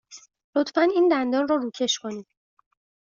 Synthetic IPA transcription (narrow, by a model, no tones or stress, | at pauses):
lo̞t̪ʰfæniːnd̪ænd̪ɒːnrɒːɾuːcʰe̞ʃkʰo̞niːm